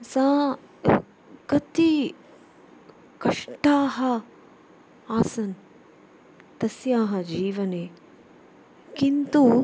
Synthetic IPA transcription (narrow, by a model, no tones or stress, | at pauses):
sãː | kɐt̪i | kɐʂʈaːɦɐ | aːsɐn | t̪ɐsjaːɦɐd͡ʒiːʋɐneː | kint̪u